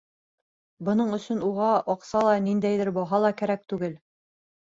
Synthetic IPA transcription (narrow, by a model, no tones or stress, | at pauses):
bɤ̆nɤɴɵ̆sɵnuʁɑʔɒqsɑlˠɑnind̪æjðɘɾbɒɦɑlˠɑkæɾæk̚t̪ʉɡɘl